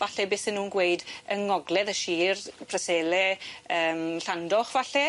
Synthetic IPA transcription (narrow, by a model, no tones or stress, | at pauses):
vaɬɛbeːsɪnːuːnɡweɨdəŋɔɡlˠɛðəʃiːrpʰrəseːlɛəːmɬandɔχvaɬɛ